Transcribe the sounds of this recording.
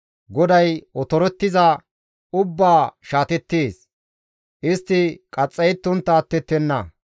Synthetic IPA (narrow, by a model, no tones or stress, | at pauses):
ɡɔd̪ɐjɔt̪ɔɾɔt̪ːɪzɐ | ʊbːaːʃaːt̪ɛt̪ːeːs | ʔɪst̪ːɪkʼɐt͡sʼːɐjt̪ːʊnt̪ːaːt̪ːɛt̪ːɛnːɐ